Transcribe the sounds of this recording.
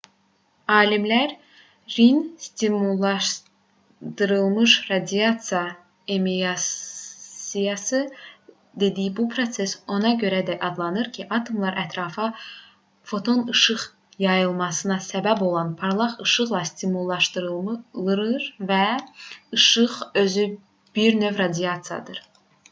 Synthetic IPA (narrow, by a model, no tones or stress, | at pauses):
ɑːlimlæɾ | ɾinst̪imulˠːɑʃ | d̪̥ɯɾɯlˠmɯʃɾɑd̪iɑt̪sijɑ | emiɑ | sijɑsɯ | d̪e̞d̪ijibupʰɾo̞t̪se̞so̞nɑɟø̞ɾæd̪æʔɑd̪lˠɑnɯɾcʰiʔɑt̪ʰo̞mlˠɑɾʔæt̪ʰɾɑːfɑ | fo̞t̪ʰo̞nɯʃɯʁ | jɑjɯlˠmɑsɯnɑsæbæbo̞lˠɑnpʰɑɾlˠɑχɯʃɯʁlˠɑst̪imulˠːɑʃt̪ɯɾɯlˠɯɾɯɾvæ | ɯʃɯʁø̞zy | b̥iɾnø̞vɾɑd̪ijɑt̪sijɑ̰d̪ɯɾ̥